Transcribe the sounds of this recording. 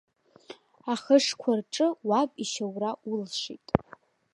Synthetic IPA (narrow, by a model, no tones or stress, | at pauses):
aχəʂkʷʰarʈ͡ʂʼɨwapʼiʃawraulʃʷḭtʼ